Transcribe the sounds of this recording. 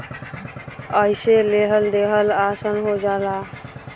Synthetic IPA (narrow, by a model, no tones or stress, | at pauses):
əjseleɦəld̪eɦəlasənɦod͡ʒala